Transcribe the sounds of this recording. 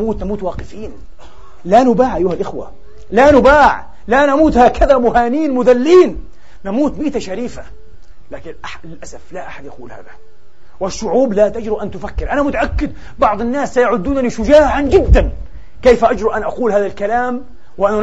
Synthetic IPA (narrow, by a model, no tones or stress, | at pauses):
muːt̪namuːt̪wɑːqɪfiːn | lanʊbaːʕʔajːʊhalʔɪxwa̰ | lanʊbaːʕ | lanamuːt̪haːkʰaðamʊhaːniːnmʊðalːiːn | namuːt̪miːt̪aʃaɾiːfa | laːkɪnʔa | ɪlʔasaflaʔaħad̪jʔaquːlha̰ːða | wɪʃːʊʕuːblat̪ad͡ʒɾiʔant̪ʊfakːɪɾʔanamʊt̪aʔakːɪd̪̚ | bɑʕd̪ˤɪnːaːsːajaʕʊd̪ːuːnaniʃʊd͡ʒaːʕand͡ʒɪd̪ːan | kejfʔad͡ʒɾuʔanʔaquːlhaːðalkalaːm | wʔana